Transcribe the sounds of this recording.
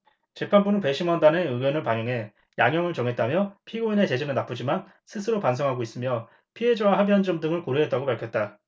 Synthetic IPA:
t͡ɕepʰanbunɯnpwe̞ɕʰimʌndaneɯɡʌnɯɭpaŋjoŋɦe̞ | jaŋjʌŋɯɭt͡ɕʌŋɦe̞t̚t͈amjʌpʰiɡoine̞t͡ɕe̞d͡ʑenɯɭnap͈ɯd͡ʑiman | sʰɯsʰɯɾopans̬ʰʌŋɦaɡois͈ɯmjʌ | pʰiɦe̞d͡ʑawaɦabiɦʌnd͡ʑʌmdɯŋɯɭkoɾuɦe̞t͈̚aɡopaɭkʰjʌt̚t͈a

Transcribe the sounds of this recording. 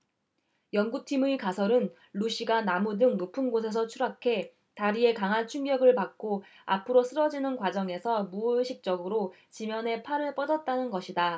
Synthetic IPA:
jʌnɡutʰimɯkasʰʌɾɯn | ɭuɕ͈ʰiɡanamudɯŋnupʰɯnɡos̬ʰe̞s̬ʰʌt͡ɕʰuɾakʰe̞ | taɾie̞kaŋɦant͡ɕʰuŋɡjʌɡɯɭpak̚k͈oa̰pʰɯɾos͈ʰɯɾʌd͡ʑinɯnkwad͡ʑʌŋe̞sʰʌmuɕʰik̚t͡ɕ͈ʌɡɯɾo | t͡ɕimjʌnɦe̞pʰaɾɯɭp͈ʌdʌt̚t͈anɯnɡʌɕʰida

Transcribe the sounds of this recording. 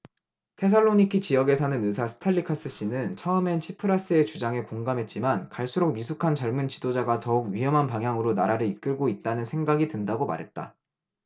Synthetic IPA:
tʰe̞s̬ʰaɭːoɲikʰit͡ɕijʌɡe̞sʰanɯnɯsʰasʰɯ̥tʰaʎːikʰas͈ɯɕ͈inɯnt͡ɕʰʌɯme̞nt͡ɕʰipʰɯɾas͈ɯe̞t͡ɕud͡ʑaŋe̞koŋɡamɦe̞t̚t͡ɕ͈imankaɭs͈uɾok̚mis̬ʰukʰant͡ɕʌɭmunt͡ɕidod͡ʑaɡatʌuɡ̚ɥiɦʌmɦanpaŋjaŋɯɾonaɾaɾɯɭik͈ɯɭɡoit̚t͈anɯnsʰe̞ŋɡaɡidɯndaɡoma̰ɾɦe̞t̚t͈a̰

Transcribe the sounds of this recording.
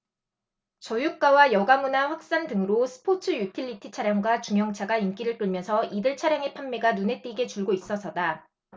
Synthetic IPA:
t͡ɕʌjuk̚k͈awajʌɡamunaɸwak̚s͈andɯŋɯɾosʰɯ̥pʰot͡ɕʰɯjutʰiʎːitʰi̥t͡ɕʰaɾjaŋɡwat͡ɕuŋjʌŋt͡ɕʰaɡaink͈iɾɯɭk͈ɯɭmjʌnsʰʌʔidɯɭt͡ɕʰaɾjaŋe̞pʰamːeɡanune̞t͈eɡe̞t͡ɕuɭɡois͈ʌsʰʌda

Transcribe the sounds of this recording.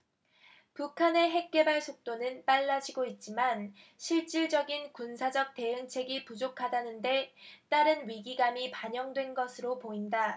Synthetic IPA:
pukʰane̞ɦe̞k̚k͈e̞baɭsʰok̚t͈onɯnp͈aɭːad͡ʑiɡoit̚t͡ɕ͈iman | ɕʰiɭt͡ɕ͈iɭd͡ʑʌɡinkunsʰad͡ʑʌk̚t͈e̞ɯŋt͡ɕʰe̞ɡipud͡ʑokʰadanɯnde̞t͈aɾɯnɥiɡiɡamipaɲʌŋdwe̞nɡʌsʰɯɾopoinda

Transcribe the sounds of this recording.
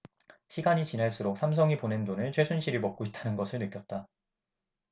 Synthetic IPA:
ɕʰiɡaɲit͡ɕinaɭs͈uɾok̚sʰamsʰʌŋipone̞ndonɯɭt͡ɕʰwesʰunɕʰiɾiɭmʌk̚k͈oit̚t͈anɯnɡʌsʰɯɭnɯk͈jʌt̚t͈a

